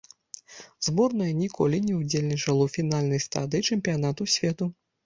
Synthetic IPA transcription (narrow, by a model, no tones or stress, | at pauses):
zbɔrnɐjɐnʲikɔ̰lʲinʲɛwd͡zʲelʲnʲit͡ʂɐlˠɐwfʲin̪alʲnɐjst̪a̰d̪ɨjit͡ʂɛmpʲijan̪at̪usʲvʲɛt̪u